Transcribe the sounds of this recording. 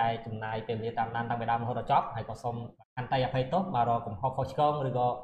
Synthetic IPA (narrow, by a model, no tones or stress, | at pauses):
aɛt͡ɕɑmnaːjpeːlʋeliət̪aːmɗaːnɗ̪aŋ̚ɓajɗaɔmɔɦoːt̪̚rɔt͡ɕɑp̚haəjkɑːsomkakant̪ajʔapʰəjt̪ohɓaːɾɔːkumhohkʰoht͡ɕʰkɔːŋrɨːkɑː